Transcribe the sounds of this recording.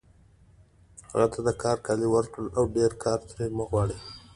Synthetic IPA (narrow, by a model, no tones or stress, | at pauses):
ha̰ɣat̪ʰad̪əkʰɑɾkɑliwəɾkɽəlʔawɖeɾkʰɑɾt̪ɾeməɣwɑɽi